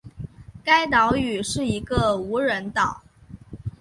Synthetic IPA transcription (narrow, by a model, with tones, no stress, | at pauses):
ka˥ɪt̪̬ɑ˧˥ʊy˨˩ʂɻ̩˥˩i˧˥ɡə˧u˧˥ɻə˧˥nt̪ɑ˨˩˦ʊ